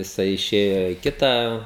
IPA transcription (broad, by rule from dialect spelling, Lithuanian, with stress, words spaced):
jɪˈsɐɪ ɪˈʃʲeːjoː ɪ ˈkʲɪtɑː